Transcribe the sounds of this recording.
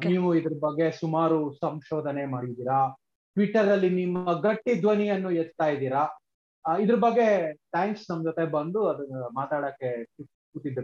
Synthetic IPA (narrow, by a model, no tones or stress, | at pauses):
niːʋuid̪ɐɾɐbɐɡːe̞sumaːɾusɐmʃoːd̪ʱɐnemaːɽid̪iːɾa | ʈʋiʈːɐɾdɐlːinimːɐɡɐʈːid̪ʋɐnijɐnːuɛt͡ʃːt̪aːjid̪iːɾa | id̪ɐɾɐbɐɡːe̞ʈaːŋksnɐmːɐd͡ʒɔt̪e̞bɐnd̪uɐd̪ɐmaːt̪aːɽɐːkːeʈip | kuʈːid̪ɾu